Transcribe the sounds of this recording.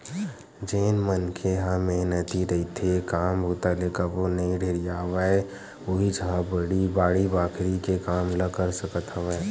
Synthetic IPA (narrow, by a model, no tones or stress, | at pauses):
d͡ʒeːnmənkʰeɦãmeɦnət̪iɾəit̪ʰekaːmbʱot̪alekaʋonɐɦĩɖʱeːɾijaːʋae | oːɦid͡ʒəɦãbəɽibaːɽibaːkʰɾikekaːmləkəɾsəkət̪ɦəʋae